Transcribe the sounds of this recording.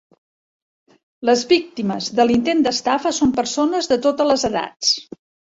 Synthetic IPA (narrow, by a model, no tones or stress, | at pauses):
ləzβik̚t̪iməzðəlint̪end̪əst̪afəsompəɾsonəzðət̪ot̪ələzəða̰t͡s